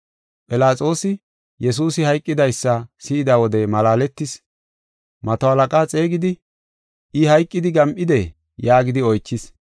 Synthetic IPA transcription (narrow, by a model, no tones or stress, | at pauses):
pʼɪlaːt͡sʼo̞ːsɪ | jɛs̬uːsɪhɐjkʼːɪd̪ɐjsːɐsɪɪd̪ɐwɔd̪ɛmɐlaːlɛt̪ːɪs | mɐt̪ɐɐlɐkʼaːt͡sʼe̞ːɡɪd̪ɪ | ɪhɐjkʼːɪd̪ɪɡɐmʔɪd̪e | jaːɡɪd̪ɪɔjt͡ʃːɪs